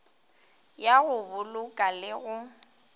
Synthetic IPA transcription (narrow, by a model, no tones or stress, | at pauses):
jaɣʊbʊlʊkʼalɪɣʊ